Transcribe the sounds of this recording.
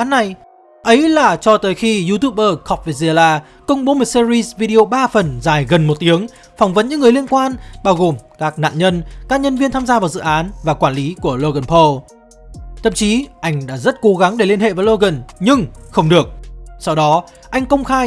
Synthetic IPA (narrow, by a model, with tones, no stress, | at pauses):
a˨˦nːa˨˩j | ʔə˨˦jlaː˨˩t͡ɕɔ˧t̪əː˨˦jxi˧zu˧t̪u˦˥p̚ʔəː˧kɔ˨˩k͡p̚ve˨˩zi˧˩əlaː˧ | kə˧wŋ͡mɓo˨˦mɨ˨˩t̚si˧zi˧svi˧ɗi˧o˧ɓaː˧fə˨˩nzaː˨˩jɣə˨˩nmo˨˩t̚t̪i˨˦əŋ | fɔ˨˦wŋ͡mvə˨˦nɲɨ̰˧˥ŋːɨ˨˩əjli˧ənkwaː˧nɓaː˧wɣo˨˩mkaː˦˥k̚na̰ː˧˨nɲə˧nkaː˦˥k̚ɲə˧nvi˧ənt̪ʰaː˧mzaː˧vaː˨˩wzɨ̰˧˨ʔaː˨˦nvaː˨˩kwaː˧˩nli˨˦ku˧˩əlo˧ɣə˨˧˩npʰə˧ | t̪ʰə̰˧˨mt͡ɕi˨˦ʔa˧jŋ̟ɗa̰ː˧˥zə˦˥t̚ko˨˦ɣa˨˦ŋɗe˧˩li˧ənhḛ˧˨vaː˨˦lo˧ɣə˨˩nɲɨ˧ŋxə˧wŋ͡mɗɨ˨˩ək̚sa˧wɗɔ˨˦ | ʔa˧jŋ̟kə˧wŋ͡mxaː˧